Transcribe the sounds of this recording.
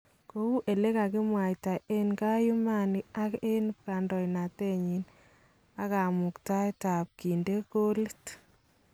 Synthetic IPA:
ko˦u˦ʔe˨le˦ka˨kɪ˦mwa˨jta˨ʔe˦nka˦ju˦ma˦na˦ke˦npka˨ndɔ˨na˨te˦ɲi˨n | a˦ka˨mʊ˨kta˦jta˨p̚ki˨nde˦ko˦le˦t

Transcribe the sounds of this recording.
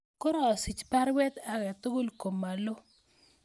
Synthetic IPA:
ko˦ɾɔ˨a˨si˨t͡ʃpa˦ɾwɛ˦t̪a˦ɣɛ˨t̪ʊ˦ɡʊ˦lko˨mːa˨lo˦

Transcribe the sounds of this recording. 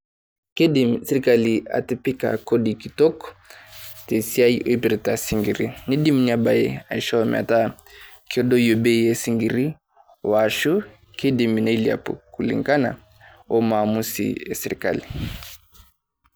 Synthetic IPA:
ki˦di˨msɛ˨ɾi˨ka˦li˨a̰˨ti˦pi˦ka̰˨kɔ˦di˨ki˨tɔ˦kɔ | te˨sia˦i˦ʔo˦pi˨ɾi˨ta˨si˨ŋɡi˨ɾi˦ni˦di˦mu˦nia˨ba˨jḛ˦a̰˨i˨ʃɔ˦˨mɛ̰a̰˨ta˦ | kɔ˦dɔ˦jo˨be˦je˨si˦ŋɡi˨ɾi˦ | wa˨ʃu˦ | ke˦di˨mi˨na˨i˦lia̰˨pɔ̰˨ku˨lḭ˨ŋɡa˦na̰˨ | ɔ˦maːmu˦sḭ˨ja˨sɛ˨ɾi˨ka̰˦li˨

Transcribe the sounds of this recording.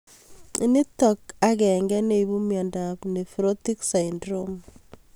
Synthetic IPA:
i˦ni˦tɔ˨ka˦kɛ˨ŋɡɛ˦ne˦ibu˦mjɔ˨nda˨pne˨fɾo˦ti˦ksa˨indɾo˦m

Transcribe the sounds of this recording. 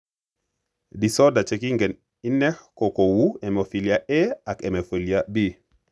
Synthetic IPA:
di˨sɔ˦da˨t͡ʃɛ˨ki˦ŋɡɛ˨n | i˦nɛ˦ko˨ko˨wu˦ɛ˨mo˨fi˨li˨a˦ʔɛ˦a˨kɛ˨mɛ˨fo˨li˨a˦bi˦

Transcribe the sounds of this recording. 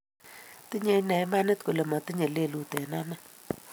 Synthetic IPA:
ti˦ɲe˨˦na˨ɪ˦ma˦nɪ˦t̪ko˨le˨ma˨ti˦ɲe˨le˦˨lu˨tɛ˨na˦na˦

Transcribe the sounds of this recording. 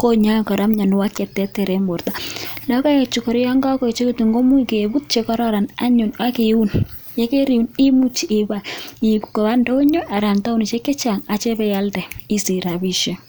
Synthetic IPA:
ko˦ɲa˦˨kɔ˨ɾa˦mɲa˨nʊ˨wa˦kɛ˨tːɛ˦tɛ˨ɾɛ˦mbo˨ɾtalɔ˦ka˦je˨t͡ʃu˨kɔ˨ɾɛ˦ja˦ŋɡa˦kɔ˨i˨t͡ʃe˦ke˦tu˨ŋɡo˦mu˦ke˨bu˦t̚t͡ʃe˦kɔ˦ɾɔ˦ɾa˨na˦ɲu˨nwa˦ke˨˦u˦n | je˦ke˦ɾi˨u˨ni˦mu˦t͡ʃi˨ɪ˨ba˨i˨ku̥˨ko˨βa˦ndɔ˦ɲo˦ʔa˨ɾa˨nta˦uni˨t͡ʃe˦kɛ˦t͡ʃa˨ŋa˨t͡ʃɛ˦pɛ˦ja˦ltɛ˨i˦si˨ɾa˨bi˨ʃe˦

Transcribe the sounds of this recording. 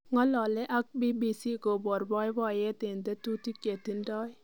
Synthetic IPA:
ŋɔ˦lɔ˨lɛ˦ʔa˦k̚bi˦bi˨si˦ɡo˨bɔ˨ɾbɔ˦jbɔ˦˨jɛ˦tɪ˨nde˦tu˦ti˦ke˨ti˦ndɔ˦j

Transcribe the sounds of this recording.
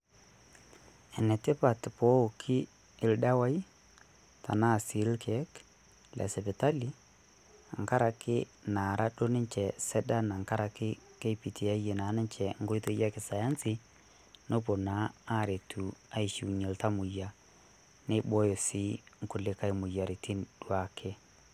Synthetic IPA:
ɛ˨nɛ˨tɪ˦pa˨tpɔ˦˨kʰɪ˦ | ɪ˨lda˦wa˦i˦ | ta̰˨na˦˨si˨˦lkʰɛ˨˦k | lɛ̰˨sɛ˨pɪ˨ta˦li˦ | a̰˨ŋka˦ɾa˨kɪ˦na˨ɾa˦ɗo˦nɪ˦ɲt͡ʃɛ˨sɛ˦da˦na˨ŋka˦ɾa˨kɪ˦ke˦pi˨ti˨a˦je˨na˨˦nɪ˦ɲt͡ʃɛ˨ŋ˦ɡo˦jto˦ja˦kɪ˨sa˨ja˦nsɪ˦ | no˦p̬o˨na˦a˦˨ɾe˨tʰu˨a˦i˨ʃi˨ɲe˨lta˦mʊ˨ja˨ | ne˦bɔ˦jo˨sɪ˦ŋ̩˦kʊ˨lɪ˦ka˦ɪ˨mʊ˨ja˨ɾi˨ti˦nd̥wa˨kʰɪ˦

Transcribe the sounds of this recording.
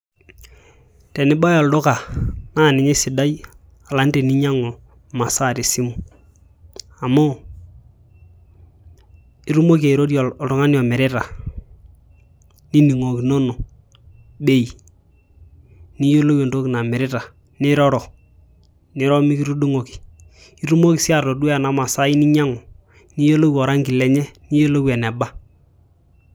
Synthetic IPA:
tɛ˨nɪ˦ba˦jo˨ldo˦ka˨na˦˨nɪ˨ɲe˦sɪ˨da˦j | a˨la˨˦n˦ti˨ni˦ɲa˦ŋo˨ | ma˨sa˦˨ɾi˨si˦mu˨ | a˨mo˦ | i˦ɾu˦mo˦ke˨i˨ɾo˦di˦o˨ltu˨˦ŋa˦ni˦ɔ˨mɪ˨ɾɪ˦ta˨ | ni˦ni˨ŋo˨ki˨no˦no˨ | be˦i˨ | ni˦jo˦lo˦we˨ndo˦ki˨na˨mɪ˨ɾɪ˦ta˨ | nɪ˦ɾɔ˦ɾɔ˨ | nɪ˦ɾɔ˦mi˦ki˦ɾu˦du˦ŋo˨ki̥˨ | i˦ɾu˦mo˦ki˨sɪ˦a˦˨to˨du˦a˨na˨ma˨sa˦i˦ni˦ɲa˦ŋɔ˨ | ni˦jo˦lo˦wi˦˨ɔ˨ɾa˦ŋɡi˨lɛ˨ɲɛ˦ni˦jo˦lo˦wɛ˨nɛ˨ba˦

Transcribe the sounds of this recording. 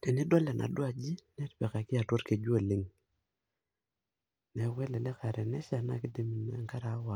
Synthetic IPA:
te˨nɪ˦dɔ˦lɛ˨nʔa̰˨dwa˨d͡ʒi˦nɛ˦ɾpɛ˨ka˨kɪ˦a˨two˦ɾke˨d͡ʒwo˦˨lɪ˦ŋ | nɛ˨wɛ˦lɛ˨lɛ˦ka˨ɾɛ˨nɛ˦ʃa˨na˦˨kɪ˦de˦mi˨n˨a˨ŋka˦ɾa˨˦wa˨

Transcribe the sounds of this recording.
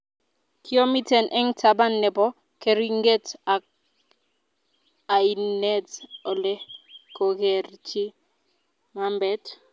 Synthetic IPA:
kʰi˦o˦mi˦tɛ˨nʔɛ˦ŋtʰa˨ba˦nːɛ˨bɔ˦ | ke˨ɾi˦ŋɡe˦ta˨ | a˨i˨nɛ˦tɔ˨lɛ˦ko˨ke˨rt͡ʃi˦ | ma˦mbɛ˦t

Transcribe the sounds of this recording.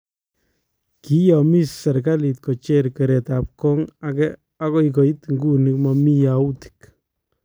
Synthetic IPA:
ki˦jɔmi˦sa˨ɾka˦li˨t̚kot͡ʃeɾke˨ɾe˨tap̚kɔ˦ŋakɛ | ako˦ik̬o˨i˦tŋɡu˦nikmami˦jauti̥k

